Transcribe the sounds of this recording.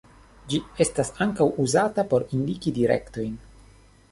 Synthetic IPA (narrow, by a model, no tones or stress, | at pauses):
d͡ʒie̞stasaŋkawuzatapo̞ɾindikidiɾe̞̰kto̞jn